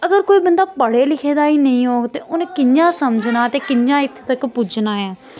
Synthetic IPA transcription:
əɡəɾkoːiːbənd̪aːpəɽeːlɪkʰeːd̪aːiːnəĩːɦoːɡt̪eːʊnekɪɲd͡ʒãːsəmd͡ʒnaːt̪eːkɪnd͡ʒãːɪt̪ʰt̪əkpud͡ʒnaːɛː

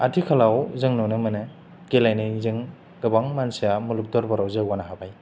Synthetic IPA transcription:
atʰikʰalawzɯŋnɔnɯmɯnɯ | ɡ̥elajnajzɯŋ | ɡɯbaŋmansijamuluk̚dɔɾbaɾawzɯɡwanaɦabaj

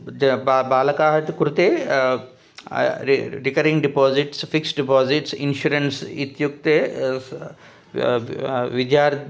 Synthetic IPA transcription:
d͡ʒbbaːlɐkaːɦɐt̪kuɾut̪eː | ɾikɐɾĩŋɡɖipɔːziʈsfiksɖipaːziʈsḭnʃuɾɐnsit̪juk̚t̪e | ʋid̪jaːɾ

